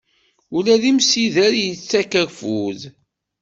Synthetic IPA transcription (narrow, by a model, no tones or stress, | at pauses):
ʊlæðimsiðæɾjət͡sːækəɾfuð